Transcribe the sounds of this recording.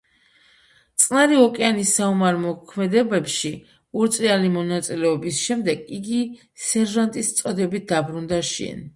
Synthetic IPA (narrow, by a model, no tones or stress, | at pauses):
t̪sʼnaɾiɔkʼɛanisːaumaɾmɔkʰmɛd̪ɛbɛpʃi | uɾt̪sʼialimɔnat̪sʼilɛɔbisʃɛmd̪ɛɡiɡi | sɛɾʒant̪ʼist̪sʼɔd̪ɛbit̪̚d̪abɾund̪aʃɛ̰n